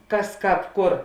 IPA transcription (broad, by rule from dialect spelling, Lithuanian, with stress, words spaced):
ˈkɐs ˈkɑːp ˈkʊr